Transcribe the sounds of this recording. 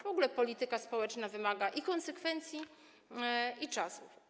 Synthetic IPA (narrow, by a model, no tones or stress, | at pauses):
vɔɡulɛpɔlʲit̪ɘkaspɔwɛt͡ʂnavɘmaɡaʔikɔnsɛkfɛnt̪sʲji | it͡ʂasuf